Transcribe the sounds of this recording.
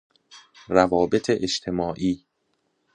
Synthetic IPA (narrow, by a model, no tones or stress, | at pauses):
rævɒːbe̞t̪ʰeʔeʃt̪ʰe̞mɒːʔiː